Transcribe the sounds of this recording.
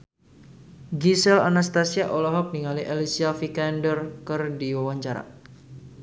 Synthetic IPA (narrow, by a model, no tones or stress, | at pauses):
ɡisɛla̰nast̪asiaʔɔlɔɦɔk̚niŋaliʔelisiafikɛndərkərdiwawaɲt͡ʃaɾa̰